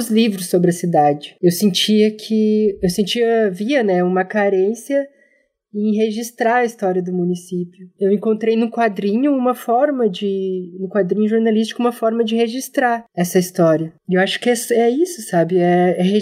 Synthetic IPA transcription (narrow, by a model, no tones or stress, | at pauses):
ʊzlivɾʊsːobɾɪɐsid̪ad͡ʒɪewsẽnt͡ʃiɐkʰɪewsẽnt͡ʃiɐviɐnɛũmɐkaɾẽsjɐ | ẽɦeʒist̪ɾaɐist̪ɔɾiɐd̪ʊmũnisipjʊewẽŋkõnt̪ɾejnʊkwad̪ɾĩɲʊũmɐfɔɾmɐd͡ʒɪnʊkwad̪ɾĩɲʊʒoɾnalis̬t͡ʃi̥kʊũmɐfɔɾmɐd͡ʒɪheʒist̪ɾaɾɛsɐist̪ɔɾiɐewaʃʊ̥kɪɛsɛisʊsabɪɛɛɦe